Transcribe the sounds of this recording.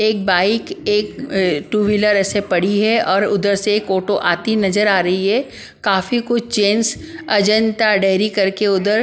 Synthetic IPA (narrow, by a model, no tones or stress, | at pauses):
eːk̚baːɪkeːkʈuːʋɪləɾɛːsepɐɽiɦɛɔːɾʊd̪əɾseeːkoːʈoʔaːt̪inɐzəɾaːɾɐɦiɦɛ | kaːfikʊt͡ʃʰt͡ʃeːns | ɐd͡ʒə̃nt̪aɖeːɪɾikɐɾkeʊd̪əɾ